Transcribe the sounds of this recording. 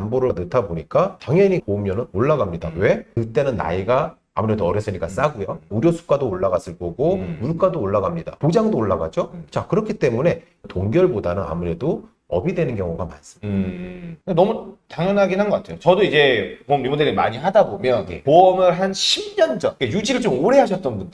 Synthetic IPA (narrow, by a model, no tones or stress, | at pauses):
amboɾʌnɯtʰaboɲik͈ataŋjʌɲikoumjʌnɯnoɭːaɡamɲida̰we̞kɯt͈e̞nɯnːa̰iɡa | a̰muɾe̞doʌɾjʌs͈ɯɲik͈as͈aɡujouɾjʌsʰu̥k͈adoːɭːaɡas͈ʰɯɭk͈ʌɡomuɭk͈adoːɭːaɡamɲida̰pod͡ʑaŋdooɭːaɡad͡ʑot͡ɕakɯɾʌkʰit͈e̞mune̞ | toŋɡjʌɭbodanɯna̰muɾe̞do | ʌbidwe̞nɯnkjʌŋuɡama̰ns͈ɯm | ɯnenʌmutaŋjʌnɦaɡinɦanɡʌk͈atʰejot͡ɕʌdoid͡ʑe̞komɾimodeɾimaɲiɦadabomjʌnepoʌmɯɭɦanɕʰimɲʌnd͡ʑʌnkejud͡ʑiɾɯɭt͡ɕomoɾe̞ɦaɕʰʌt̚t͈ʌnbundɯ